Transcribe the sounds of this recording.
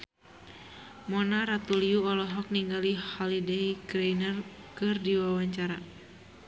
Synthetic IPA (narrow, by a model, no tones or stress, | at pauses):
mɔnaɾat̪uliuɔlɔɦɔk̚niŋɡalihɔlidɛiɡɾejnər | kɨrdiwawaɲt͡ʃaɾa